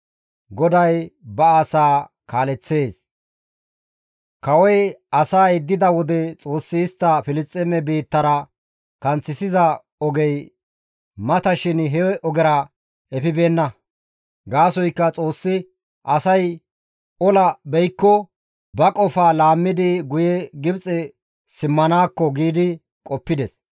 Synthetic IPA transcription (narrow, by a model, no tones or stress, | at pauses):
ɡɔd̪ɐjbɐasaː | kaːlɛt͡sːe̞ːs | kɐwɔjɐsaːjɪd̪ːɪd̪ɐwɔd̪ɛt͡sʼo̞ːsːɪːst̪ːɐfɪlɪt͡sʼːɛmɛbiːt̪ːɐɾɐ | kɐnt͡sːɪsɪzɐ | ɔɡɛj | mɐt̪ɐʃɪnɦɛɛʔɔɡɛɾɐ | ɛfɪbe̞ːnːɐ | ɡaːsɔjkːɐt͡sʼo̞ːsːɪ | ʔɐsɐj | ɔlɐbɛjkːɔ | bɐkʼɔfaːlaːmːɪd̪ɪɡʊjɛɡɪbt͡sʼɛ | sɪmːɐnaːkːɔɡiːd̪ɪ | kʼɔpːɪd̪ɛs